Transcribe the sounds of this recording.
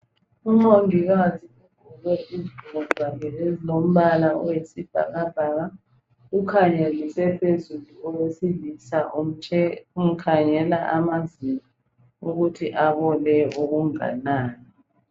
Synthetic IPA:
uŋ͡ǃondʱiɣatʰiuɡ̥ʱulwɛiziɡʱuɣɔzzaŋʰɛlezilom̩βalaɔjesib̥ʱa̰ɣab̥ʱaɣa | ɣukʰaɲelisɛpʰezuluɔwesilisaʔum̩t͡ʃʰɛum̩kʰaŋɛlaʔamazini | uɣutʰiʔaβɔlɛoɣuŋa̰naːni

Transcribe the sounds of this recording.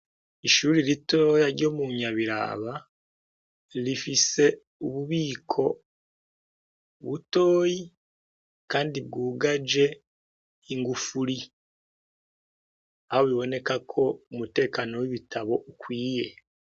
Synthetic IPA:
iʃuːɾilitoːjaɾɟo̞ːmuɲaβiɾa̰βa | lifise̞ | uβuβiːkʰo̞ | βuto̞ːji | kaːndibɡuːɡad͡ʒe̞ | iŋɡufuɾi | aβoβiβo̞ne̞kakʰo̞umute̞ːkano̞wiβitʰaβo̞ʔukwiːje̞

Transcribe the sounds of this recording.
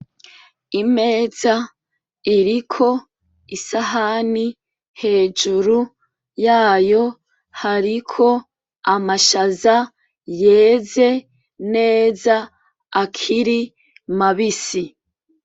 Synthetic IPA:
ime̞ːza | iɾikʰo̞ | isaɦani | he̞ːd͡ʒuɾu | jaːjo̞ | haɾikʰo̞ | amaʃaza | je̞ːze̞ | ne̞ːzaː | kʰiɾi | maβisi

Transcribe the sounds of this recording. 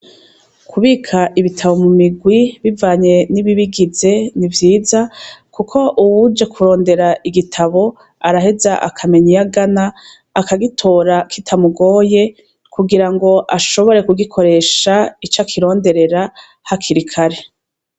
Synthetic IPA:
kʰuβiːkʰaʔiβitʰaβo̞mumiɡwiβivaːɲe̞niβiβiɡize̞nivjiːzakukʰo̞ʔuwud͡ʒe̞kʰuɾo̞ːnde̞ɾaʔiɡitʰaβo̞ | aɾahe̞zaʔa̰kʰame̞ɲijaɡanaː | kaɡitʰo̞ːɾakʰitʰamuɡo̞ːje̞ | kʰuɡiɾaŋɡo̞ʔaʃo̞βo̞ɾe̞kuɡikʰo̞ɾe̞ːʃait͡ʃakʰiɾo̞ːnde̞ɾe̞ɾa | hakʰiɾikʰaɾe̞

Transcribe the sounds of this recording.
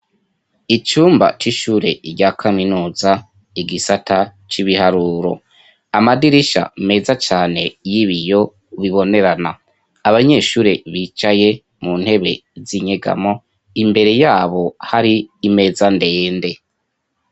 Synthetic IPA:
it͡ʃuːmba̰t͡ʃiʃuɾe̞ɾɟakʰaminuːza | iɡisata | t͡ʃiβihaɾuːɾo̞̰ | amadiɾiʃa̰me̞ːzat͡ʃaːne̞jiβijo̞ | βiβo̞ne̞ɾana | aβaɲe̞ːʃuːɾe̞βiːt͡ʃaje̞ | mun̥he̞βe̞̰ziɲe̞ɡa̰mo̞ | imbe̞ɾe̞jaːβo̞haɾiːme̞ːzande̞ːnde̞

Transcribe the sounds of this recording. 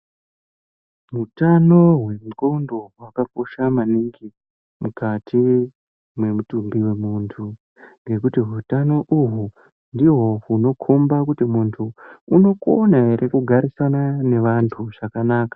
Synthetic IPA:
ɦutano̞ɦwe̞mukoundo̞ɦwakak̚oʃamaniŋɡi | mukatʰi | mwe̞mutumbiwe̞muntʰu | ŋɡe̞kutiɦutano̞ʔuɦu | ndiɦo̞uno̞kʰombakutimuntʰuːno̞konaeɾʔe̞kuɡʱaɾisanane̞ʋantʰuʐakanaːkḁ

